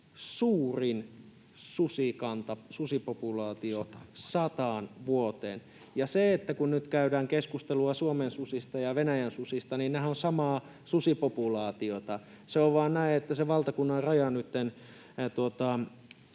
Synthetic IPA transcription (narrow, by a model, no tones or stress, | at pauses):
suːrin | susikɑnt̪ɑsusipopulɑːt̪iosɑt̪ɑːnʋuot̪ḛːn | jɑseet̪ːækunnyt̪kæydæːŋkeskust̪eluɑsuomensusist̪ɑjɑʋenæjænsusist̪ɑniːnnæhæonsɑmɑː | susipopulɑːt̪iot̪ɑ | seoʋʋɑːnnæiet̪ːæseʋɑlt̪ɑkunːɑrrɑjɑnyt̪ːen | t̪uot̪ɑ